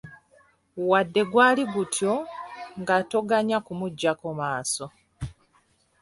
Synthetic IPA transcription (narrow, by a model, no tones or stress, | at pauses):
wadːe̞ɡwaːliɡutʰjo̞ŋɡatoɡaɲakumuɟːakomaːso̞